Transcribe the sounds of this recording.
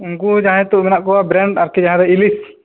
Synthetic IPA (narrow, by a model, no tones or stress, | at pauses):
uŋɡud͡ʒaɦɛ̃t̪uʔmɛnaʔkɔwabɾɛɳɖaɾkid͡ʒaɦãɾɛilis